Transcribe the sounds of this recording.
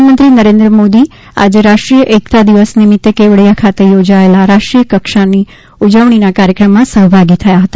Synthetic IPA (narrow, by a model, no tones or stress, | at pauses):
nmənt̪ɾinəɾẽnd̪ɾəmod̪i | a̰d͡ʒeɾaʂʈɾijəʔekt̪ʰad̪iʋəsnimɪt̪ːekeʋɽjakʰat̪ejod͡ʒaelaɾaʂʈɾijəkəkʃani | ud͡ʒəʋɳ̃inakaɾjəkɾəmːãsəɦbʱaɡit̪ʰəjaɦət̪ḁ